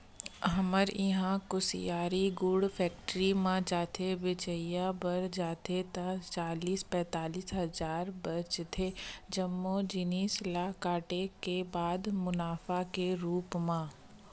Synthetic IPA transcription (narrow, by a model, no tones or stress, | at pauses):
ɦɐməɾjɪɦãkʊsḭjaːɾiɡʊɽfʰɛːk̚ʈɾimãd͡ʒaːt̪ʰebɪt͡ʃəɪjabɐɾd͡ʒaːt̪ʰet̪ãt͡ʃaːliːspɛ̃ːt̪aːliːsɦɐzaːɾbɐt͡ʃt̪ʰed͡ʒəmːod͡ʒɪniːslaːkaːʈekebaːd̪mʊnaːfakeɾuːpmãː